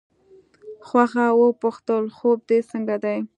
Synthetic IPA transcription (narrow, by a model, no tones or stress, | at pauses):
xwaxawəpʊxt̪əlxob̚d̪esəŋɡad̪aj